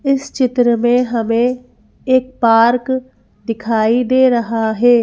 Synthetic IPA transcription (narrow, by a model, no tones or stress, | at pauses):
ɪst͡ʃɪt̪ɾəmẽɦɐmẽ | eːk̚paːɾk | d̪ɪkʰaːid̪eːɾɐɦaɦɛː